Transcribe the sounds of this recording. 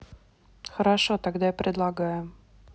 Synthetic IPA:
xəɾaʂot̪aɡd̪ajapɾʲɪd̪lˠaɡajʊ

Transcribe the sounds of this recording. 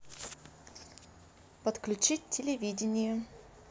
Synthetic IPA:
pət̪klʲʉt͡ɕitʲtʲɪlʲɪvʲidʲɪnʲɪjʊ

